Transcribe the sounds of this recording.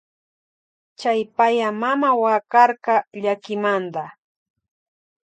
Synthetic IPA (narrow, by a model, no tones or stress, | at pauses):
t͡ʃajpajamamawakɑɾkɑʎakɪmand̪a